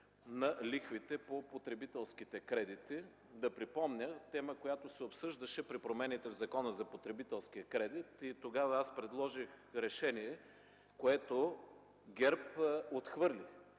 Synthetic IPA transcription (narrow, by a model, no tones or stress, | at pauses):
nɐlixvit̪ɛpopot̪ɾɛbit̪ɛlˠskit̪ɛkɾɛd̪it̪i | d̪ɐpɾipɔmnʲət̪ɛməkojat̪osɛopsɤʒd̪ɐʃɛpɾipɾomɛnit̪ɛvzɐkɔnəzɐpot̪ɾɛbit̪ɛlˠsk̟iəkɾɛd̪it̪it̪oɡavɐaspɾɛd̪lˠɔʒixɾɛʃɛniɛ | koɛt̪o | ɡʲɛɾpot̪xvɤɾli